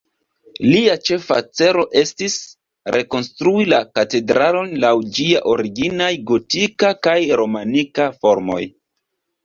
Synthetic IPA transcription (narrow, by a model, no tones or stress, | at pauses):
liat͡ʃe̞fa̰t͡se̞ɾo̞ʔe̞stis | ɾe̞ko̞nstɾuilakate̞dɾalo̞nlawd͡ʒiaʔo̞ɾiɡinajɡo̞tikakajɾo̞manikafo̞ɾmo̞̰j